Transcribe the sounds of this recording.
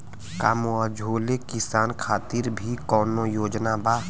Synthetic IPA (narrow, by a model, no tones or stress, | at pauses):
ka̰ːmoad͡ʒʱoːlekɪsaːnkʰaːt̪iɾbʱikɔːnojoːd͡ʒnabaː